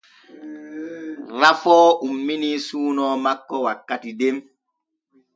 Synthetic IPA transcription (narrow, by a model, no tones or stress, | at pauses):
ɾafɔːʔumːinisuːnɔːmakːɔwakːatidem